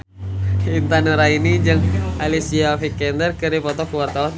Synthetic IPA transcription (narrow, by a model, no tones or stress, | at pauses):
int̪anuɾainid͡ʒɨŋalisiafikɛndərkɨɾipɔt̪ɔkuwart̪awan